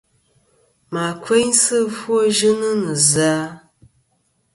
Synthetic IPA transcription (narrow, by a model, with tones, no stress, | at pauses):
ma˨kʰe˦ɲsɨ˦fwo˦ʒɨ˦nɨ˦nɨ˨zaː˦